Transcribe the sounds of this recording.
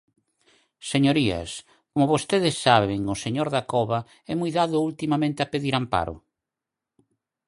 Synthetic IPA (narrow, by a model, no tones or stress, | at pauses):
seɲoɾiɐ̰s | komʊβost̪eðɪsːaβeŋʊseɲoɾðakɔβɐ | ɛmujðaðʊult̪imamẽnt̪ɪapeðiɾampa̰ɾʊ̰